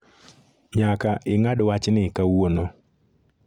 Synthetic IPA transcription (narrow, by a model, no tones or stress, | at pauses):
ɲakaʔɪŋadwat͡ʃnɪkawono